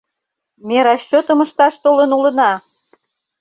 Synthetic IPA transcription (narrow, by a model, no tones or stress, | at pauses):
meɾɑɕːot̪ə̆mə̆ʃt̪ɑʃt̪olənulə̆nɑ